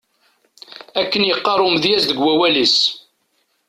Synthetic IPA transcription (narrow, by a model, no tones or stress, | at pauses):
ækːənjəqːɑɾˤʊmðjæsðəɡwæwælis